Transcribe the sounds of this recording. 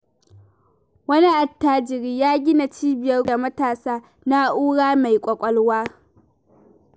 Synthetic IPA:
wɐ˦ni˦ʔa˨tːaː˨d͡ʒɪ˨ɾiː˦jaː˦ɡʲɪ˦na˨t͡ʃiː˦bɪ˨jɐ˦rda˨mɐ˦taː˨saː˦ | na˦ʔuː˦ɽaː˦ma˨jkʷʼɔ˨kʷʼɔ˦lwaː˦

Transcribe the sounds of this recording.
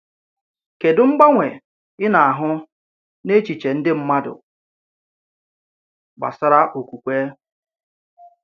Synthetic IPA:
ke˨dʊ˨ŋ͡m̩˦ɡ͡ba˦ŋʷe˨ | ɪ˦na˨a˨ɦʊ˦ | ne˦t͡ʃi˨t͡ʃe˨n̩˦dɪ˦m̩˦ma˦dʊ̰˨ | ɡ͡ba̰˨sa˦ɾa˦ʔo˨ku˨kʷe˦

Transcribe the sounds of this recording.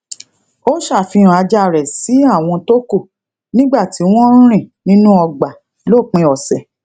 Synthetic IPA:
o˦ʃa˦˨fi˧ɾ̃a˧d͡ʒa˧˨ɾɛ˨si˨˦a˦˨w̃ɔ̃˧to˦ko˦˨ | nĩ˦ɡ͡ba˦˨ti˨˦w̃ɔ̃˦ɾ̃ĩ˦˨nĩ˦nũ˦ɔ˧ɡ͡ba˨˦ | lo˦˨k͡pĩ˧˦ɔ˨sɛ˨

